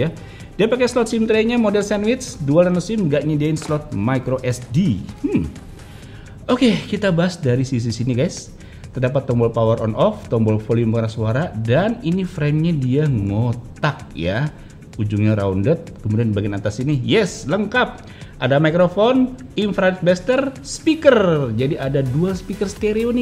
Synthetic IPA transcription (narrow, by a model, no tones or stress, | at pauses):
a | diapakɛslɔt̪̚sɪmt̪ɾɛɲamodɛlsanwɪt̪sdualanosɪmɡaʔɲadiaɪnslɔt̪̚majkɾoʔɛsdi | ʔokekit̪abaɦasdaɾisis̬isiniɡajs | t̪ərdapat̪ːɔmbɔlpawərɔnɔft̪ɔmbɔlfolijməkaɾasuaɾadaninifɾɛmɲadiaŋot̪ak̚ja | ud͡ʒuŋɲaɾaundət̪̚kəmudianbaɡinat̪asinijɛsləŋkap̚ | ʔadamaikɾofon | infɾanɛt̪̚bɛst̪ərspikərd͡ʒadiʔadaduaspikərst̪eɾeonɪ